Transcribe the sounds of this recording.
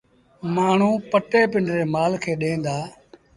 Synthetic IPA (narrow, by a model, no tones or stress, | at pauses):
maːɳ̤ũːpəʈeːpɪɳɖɾeːmaːlkʰeːɗẽːnd̪aː